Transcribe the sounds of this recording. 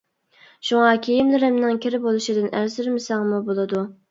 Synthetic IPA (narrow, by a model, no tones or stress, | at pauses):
ʃuŋɑkʲʰejimlɪɾɪmnɪŋkʲʰiɾɪbolˠuʃid̪ɪnæɾsɪɾmɪsɑŋmubolˠɨd̪u